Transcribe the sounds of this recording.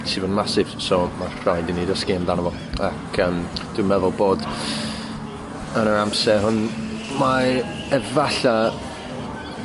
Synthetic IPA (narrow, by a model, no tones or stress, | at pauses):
tʰivondmasɪv̥sɔmar̥ajdinidəskɪndanəvɔ | akʰəːmd̥umɛðʊlˠboːd | ənənamsɛɦʊn | ma | ɛvaɬa